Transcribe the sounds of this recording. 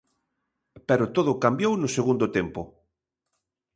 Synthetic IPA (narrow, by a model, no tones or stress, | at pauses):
pɛɾʊt̪oðʊkambjownʊseɣund̪ot̪ɛmpʊ